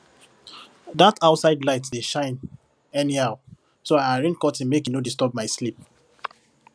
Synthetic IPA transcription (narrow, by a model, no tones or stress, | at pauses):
dataʊtsaɪdlaɪtdeʃãɪ̃n | ɛnihaʊ | soaaɹĩnkɔtĩnmekinodistɔb̚maɪslip̚